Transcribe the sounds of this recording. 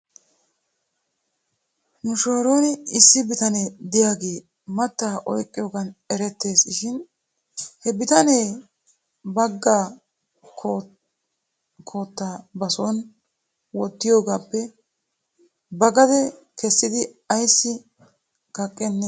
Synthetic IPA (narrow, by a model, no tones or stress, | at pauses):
nʊʃo̞ːɾoːnɪɪsːɪbɪt̪ɐned̪ɪjaːɡe̞ː | mɐt̪ːaːʔɔ̰jkʼːɪjoːɡɐnɛɾɛt̪ːe̞ːsʃɪn | hɛbɪt̪ɐneː | bɐɡːaː | kʰː | kʰoːt̪ːaːbɐsoːn | wɔt̪ːɪjoːɡaːpːɛ | bɐɡɐd̪ɛ | kɛsːɪd̪ɪ | ɐjsːɪ | ɡɐkʼːɛnːɛ